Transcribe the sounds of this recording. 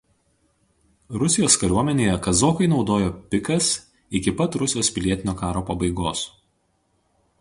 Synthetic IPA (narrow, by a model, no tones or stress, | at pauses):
ɾʊsʲɪjoːskɐɾʲuɔmʲɛnʲeːjɛkɐzoːkɐɪnɒʊd̪oːjoːpʲɪkɐs | ɪkʲɪpɐt̪ɾʊsʲɪjoːspʲɪlʲiɛt̪ʲɪnʲoːkɑːɾoːpɐbɐɪɡoːs